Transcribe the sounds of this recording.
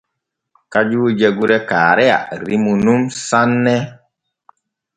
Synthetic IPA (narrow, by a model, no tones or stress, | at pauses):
kad͡ʒuːd͡ʒeɡuɾɛkaːɾɛja̰ɾimunumsanːɛ